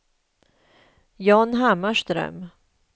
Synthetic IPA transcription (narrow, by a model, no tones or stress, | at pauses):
jɑːnɦamːaʂt̪ɾœ̰m